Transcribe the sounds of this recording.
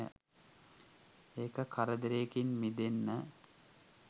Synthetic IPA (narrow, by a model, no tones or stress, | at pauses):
ə̰ | eːkəkʰaɾəd̪əɾekinmid̪enːə